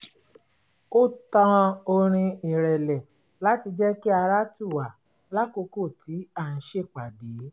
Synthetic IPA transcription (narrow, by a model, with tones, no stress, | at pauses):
o˦tã˦˧o˧ɾ̃ĩ˧i˨ɾɛ˨lɛ˨ | la˦ti˧d͡ʒɛ˦ki˦a˧ɾa˦tu˦˨wa˨ | la˦ko˧ko˦˨ti˨˦a˦˨n̩˨˦ʃe˦˨k͡pa˨deː˨˦